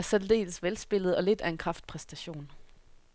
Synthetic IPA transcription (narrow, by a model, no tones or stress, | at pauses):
ɐsæd̥d̥e̝̰ːləsʋelsb̥e̝l̰ð̩ˠɒ̽le̝d̥æɐe̝nkʰʁɑ̈fd̥̚pʰʁɛsd̥æɕo̝̰ːn